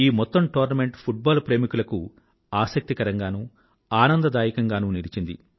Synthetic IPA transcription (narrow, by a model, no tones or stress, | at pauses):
iːmɔt̪ːɐmʈoːɾnɐme̞ɳʈpʰuʈ̚baːlpɾe̞ːmikulɐku | aːsɐk̚t̪ikɐɾɐŋɡaːnuː | aːnɐnd̪ɐd̪aːjikɐŋɡaːnuːniɽit͡ʃind̪ḭ